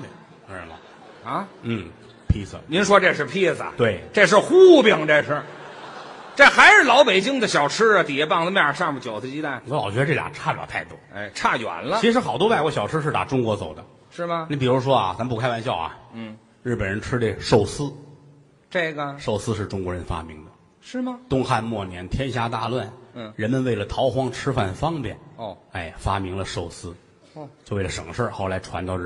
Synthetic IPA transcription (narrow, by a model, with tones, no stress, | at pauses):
mɐ̰˧ | a˧˥n̩˥˩ | pʰi˥sə̰˧˩ni˧˥nʂwɔ˥ʈ͡ʂe˥˧ʂɻ̩˥˧pʰi˥st̪we˥˩ɪʈ͡ʂe˥˧ʂ̬ɻ̩˥˧xu˥˩pjɑ˥˩ŋʈ͡ʂa˥˧ɪʂʰə˥˧˩ | ʈ͡ʂa˥˩xa˧˥ɪʂɻ̩˥˩lɑ˧˥ʊpe˨˩ɪt͡ɕi˥ŋd̪ə˨ɕjɑ˨˩ʊʈ͡ʂ̩ʰ˥ɐ˨t̪i˨˩ɛ˥pɑ˥˧ŋt͡sə˧mja˥˧ʂɑ˥˧mu˨˩t͡ɕjo˨˩ʊsɹ̩˥˧t͡ɕi˥t̪a˥˩n˧˥lɑ˨˩ʊɕɥɛ˥ʈ͡ʂɤ˥˩lja̰˨˩ʈ͡ʂʰa˥˩pj̰t̪ʰa˥˩ɪt̪wɔ̰˥ḛ˥˩ɪʈ͡ʂʰa˥˩jɥwa̰˨˧˩nlə˧i˧˥ʂɻ̩˧˥xɑ˨˩ʊt̪wɔ˥wa˥˧ɪkwɔ˥ɕjɑ˨˩ʊʈ͡ʂ̩ʰ˥ʂɻ̩˥˩t̪a̰˨˩ʈ͡ʂʊ˥ŋkwɔ˧˥t͡so˨˩ʊd̪ə˦ | ʂɻ̩˥˩mɐ˩i˧˥pi˨˩ɻu˧˥ʂ̬wɔ˥ɐ̰˩t͡sa˧˥mpu˥˩kʰa˥ɪwa˧˥nɕjɑ˥˩ʊɐ̰˩˥˩ | ɻ̩˥˩pə˨˩nɻə˧˥nʈ͡ʂʰɻ̩˥d̪e˥˧˩ʂo˥˩ʊsɹ̩˥ | ʈ͡ʂe˥˩ɡə˩ʂo˥˩ʊsɹ̩˥ʂɻ̩˥˩ʈ͡ʂʊ˥ŋkwɔ˧˥ɻə˧˥nfa̰˥mi˧˥ŋd̪ə˧ | ʂɻ̩˥˩mɐ˩t̪ʊ˥ŋxa˥˧nmwɔ˥˩njɛ˧˥nt̪ʰjɛ˥nɕ̬ja˥t̪a˥˧lwa˥˩n̩˥˩ɻə˧˥nmə˧nwe˥˩ɪlə˩t̪ʰɑ˧˥ʊxwɑ˥ŋʈ͡ʂʰɻ̩˥fa˥˩nfɑ˥ŋpjɛ̰˥˩n˥˩a˥˩ɪfa˥mi˧˥ŋlə˧ʂo˥˩ʊsɹ̩˥˧ | t͡ɕjo˥˧we˥˩ɪlə˩ʂɤ˨˩ŋmə˦ʂə˞˥˧xo˥˩ʊla˧˥ɪʈ͡ʂʰwa˧˥nt̪ɑ˥˧ʊ˥